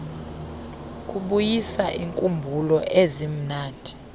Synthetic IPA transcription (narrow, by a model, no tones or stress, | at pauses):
k̬ʼuɓujisaʔiŋkʼumbʱulɔʔezim̩naːndʱi